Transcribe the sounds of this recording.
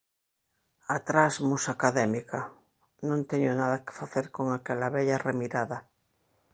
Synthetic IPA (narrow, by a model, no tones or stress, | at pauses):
at̪ɾazmusakaðɛmika | nõnt̪eɲonaðɐke̥faθeɾkoŋakɛlaβɛʎaremiɾaða